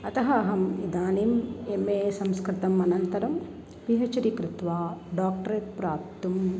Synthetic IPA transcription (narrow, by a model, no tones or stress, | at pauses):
ɐt̪ɐɦɐɐɦɐmid̪aːnimemeːsɐmskɾɪt̪ɐmɐnɐnt̪ɐɾɐm | piɦɐt͡ʃɐɾikɾɪt̪ʋaːɖaːk̚ʈɐɾeːt̪̚pɾaːp̚t̪um